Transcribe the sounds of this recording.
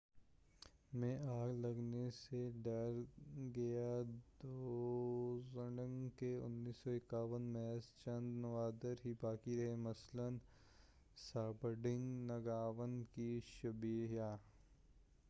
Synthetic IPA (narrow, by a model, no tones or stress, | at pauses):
mẽʔaːɡlɐɡneseɖɐɾɡɐjad̪oː | zəɳə̃ŋkeʊ̰nːiːsɔɪkaːʋənmɛːst͡ʃɐ̃nd̪nɐʋaːd̪əɾɦibaːkiɾɐɦemɐslən | saːbəɾɖɪ̃ŋɡnɐɡaːʋənkiʃɐbiːɦjaː